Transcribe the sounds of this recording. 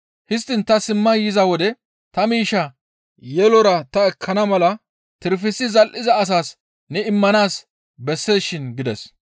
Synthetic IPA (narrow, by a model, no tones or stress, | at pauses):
hɪs̬t̪ːɪnt̪ɐsɪmːɐjɪzɐwɔd̪ɛ | t̪ɐmiːʃɐ | jɛlɔɾɐt̪ɐɛkʰːɐnɐmɐlɐ | t̪ɪɾfɪsːɪzɐlʔɪzɐːs̬aːs | nɛɪmːɐnaːs | bɛsːe̞ːsʃɪnɡɪd̪ɛs